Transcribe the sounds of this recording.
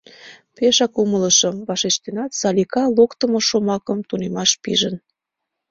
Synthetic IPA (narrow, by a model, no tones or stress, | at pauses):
peʃɑkumələʃə̆mβɑʃeʃt̪enɑt̪sɑlʲikɑlokt̪əmŏʃomɑkəmt̪unemɑʃpḭʒən